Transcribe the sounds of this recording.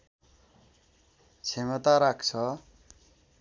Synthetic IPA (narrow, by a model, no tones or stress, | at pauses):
t͡sʰemʌt̪aɾakt͡sʰʌ